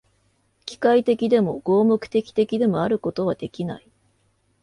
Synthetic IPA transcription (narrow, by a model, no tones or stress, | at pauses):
kʲi̥kait̪e̞kʲid̪e̞mo̞ɡ̥o̞ːmokɯ̥t̪e̞kʲi̥t̪e̞kʲid̪e̞mo̞aɾɯ̟ko̞t̪o̞β̞ad̪e̞kʲinai